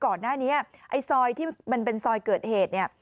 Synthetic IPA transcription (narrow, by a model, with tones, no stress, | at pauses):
kɔː˨˩nːaː˥˩niː˦˥ʔa˧jsɔː˧jt̪ʰiː˥˩ma˧npe˧nsɔː˧jkɤː˨˩t̪̚heː˨˩t̪̚ni˥˩ɐ